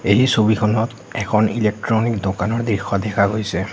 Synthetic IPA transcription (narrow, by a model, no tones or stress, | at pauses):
eɦisobikʰɔnɔt | ɛkʰɔnḭlek̚tɹɔnikdokanɔɹdɹixɔdɛkʰaɡojsɛ